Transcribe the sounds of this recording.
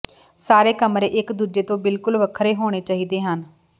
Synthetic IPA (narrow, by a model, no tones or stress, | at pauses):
saːɾeːkəmɾeːʔɪkd̪uːd͡ʒeːt̪õːbɪlkʊlʋəkʰɾeːɦoːɽ̃eːt͡ʃaːɦiːd̪eːɦən